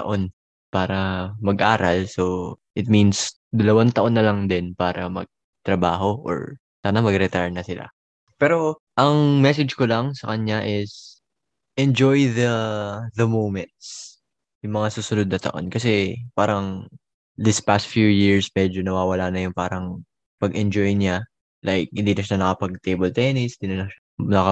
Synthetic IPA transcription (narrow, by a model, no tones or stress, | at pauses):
t̪ɐ̰ʔo̞n | paːɾɐmɐɡʔaːɾɐlsoʔɪt̪̚mins | d̪ɐlɐwant̪ɐʔo̞nːɐlɐŋd̪ɪnpaːɾɐmɐ̰ɡ̚ | t̪ɾɐbaːɦo̞ʔo̰ɹ | saːnamɐɡɾɛt̪aɹnɐsɪlʔa̰ | pɛːɾo̞ | ʔɐŋmɛs̬ɛd͡ʒkolɐŋsɐkɐnɲɲaʔɪs | ʔɛnd͡ʒojðɐðɐmowmɛnt̪̚s | jʊŋmɐŋasuːsʊnod̪̚nɐt̪ɐ̰ʔo̞̰nkɐsɛpaːɾɐŋ | d̪ɪspast̪̚fjujɪɹsmɛd͡ʒonɐwaːwɐlaːnɐjʊŋpaːɾɐŋ | pɐɡʔɛnd͡ʒojɲa | lʔajk̚hɪnd̪iːnɐʃnanɐkɐpɐɡ̚t̪ejbolt̪ɛnɪshɪnd̪inɐnɐanɐkɐ